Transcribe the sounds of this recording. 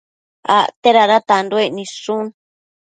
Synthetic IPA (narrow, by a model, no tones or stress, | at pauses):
a̰t̪eɾaɾat̪and̪oenĩʂũn